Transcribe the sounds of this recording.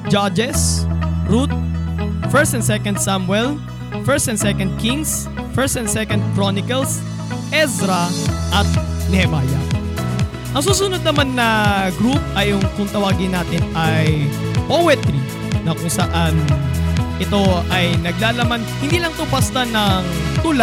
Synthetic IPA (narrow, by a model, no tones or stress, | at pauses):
d͡ʒad͡ʒɛsɹut̪̚fɛɹst̪ɛnd̪sɛkɐnd̪̚samwɛl | fɛst̪ɛnsɛkɐnd̪̚kiŋs | fɛɹst̪ɛnsɛkɐnd̪̚kɾonɪkɐls | ʔɛsɾɐʔɐt̪̚nɛhɛmaːjɐ̰ | ʔɐŋs̬uːsʊnod̪̚nɐmanːɐɡɾup̚ɐjʊŋkʊŋt̪ɐwaːɡɪnaːt̪ɪnɐjpowɛt̪ɾi | nɐkʊŋsɐʔan | ʔɪt̪o̞ʔɐjnɐɡ̚laːlɐmanhɪ̃nd̪iːlɐŋt̪ʊbast̪ɐnɐŋt̪ʊl